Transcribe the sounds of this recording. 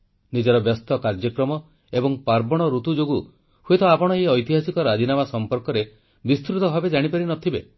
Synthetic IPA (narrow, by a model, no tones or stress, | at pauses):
nid͡ʒɔɾɔbjɔst̪ɔkaɾd͡ʒjɔkɾɔmɔ | ebɔŋpaɾbɔɽ̃ɔɾut̪ud͡ʒoɡu | huet̪ɔapɔɽ̃ɔeɔjt̪iɦasikɔɾad̪ʱinamasɔmpɔɾkɔɾe | bist̪ɾut̪ɔɦɔbed͡ʒaɽ̃ipaɾinɔt̪ʰibe